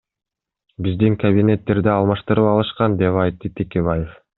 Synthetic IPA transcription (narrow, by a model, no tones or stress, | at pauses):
bizd̪iŋkɐbʲinʲe̞t̪ːe̞ɾd̪iɑlˠmɑʃt̪ɯɾɯpɑlˠɯʃqɑnd̪e̞pɑjt̪ːɯt̪ʰekʲe̞βaje̞f